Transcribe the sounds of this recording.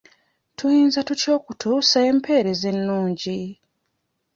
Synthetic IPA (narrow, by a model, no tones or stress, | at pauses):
tʰujiːnzatuco̞ːkutʰuːsae̞mpʰe̞ːɾe̞ze̞nːuːɲɟi